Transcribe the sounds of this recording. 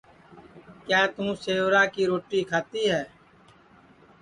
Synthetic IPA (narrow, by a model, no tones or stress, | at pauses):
kjaːt̪ũːseːʋɾaːkiːɾoːʈiːkʰaːt̪iːɦɛː